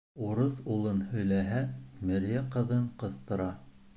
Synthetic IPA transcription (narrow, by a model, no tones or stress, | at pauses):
uɾɤθulˠɤnhɵ̆jlæɦæmɘ̆ɾjæqɤ̆ðɤɴqɤ̆θt̪ɤ̆ɾɑ